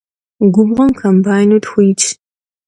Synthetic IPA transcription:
ɡʷʊbʁɐmkʰɐmbaːjnutxʷijt͡ʃʰ

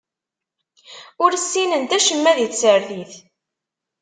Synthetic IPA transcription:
ʊɾsːinənt̪æʃəmːæðit͡sːəɾðiθ

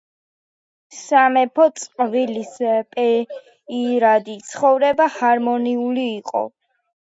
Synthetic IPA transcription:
samɛpʰɔt̪sʼqʼvilispʼɛ | iɾad̪it̪sʰχɔvɾɛbahaɾmɔniuliːqʼɔ̰

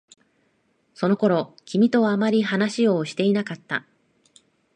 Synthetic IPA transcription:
so̞no̞ko̞ɾo̞kʲimʲit̪o̞βaːmaɾʲiɦanaɕijo̞ːɕi̥t̪e̞inakat̪ːa̰

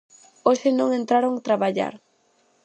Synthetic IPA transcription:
osʃɪnõŋent̪ɾaɾoŋat̪ɾaβaʎa̰ɾ

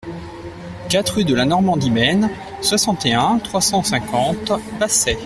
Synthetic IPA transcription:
kat̪χyd̪əlanɔʁmɑ̃d̪imɛn | swasɑ̃t̪eɛ̃t̪χwasɑ̃sɛ̃kɑ̃t̪pasɛ

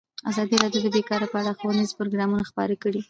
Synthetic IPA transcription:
a̰zɑd̪iɾɑdjod̪əbekɑɾapəaɽaxowanizpʊɾoɡɾɑmunaxpɑ̰ɾəkəɽi

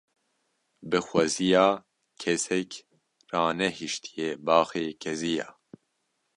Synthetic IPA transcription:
bɨxwɛzijaː | kʰɛsɛk | raːnɛhiʃt̪ʰijeːbaːxeːkʰɛzija̰ː

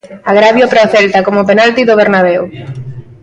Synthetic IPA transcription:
aɣ̞ɾaβjopɾoθɛlt̪akomopenalt̪iðoβ̞eɾnaβ̞ew

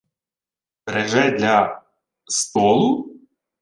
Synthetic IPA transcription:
pɾɛʒɛd̪ʲlʲɐ | st̪ɔlˠʊ

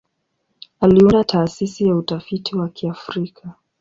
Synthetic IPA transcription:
aliundatʰaːsisijautafitiwakiafɾikʰa

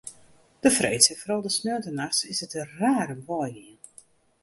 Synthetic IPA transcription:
d̥əfreːtsəfɔɾɔlˠdəsnøːtənaxsɪsətəraːɾənʋɔjliən

